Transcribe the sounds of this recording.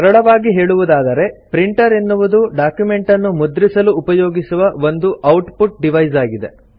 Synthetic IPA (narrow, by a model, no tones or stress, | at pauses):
kɐɾɐɭɐʋaːɡiɦe̞ːɭuʋud̪aːd̪ɐɾe̞pɾiɳʈɐɾenːuʋud̪uɖaːkjume̞ɳʈɐnːumud̪ɾisɐluːpɐjoːɡisuʋɐʋo̞nd̪uʔɐwʈpuʈ̚ɖiʋɐjzaːɡid̪e̞̰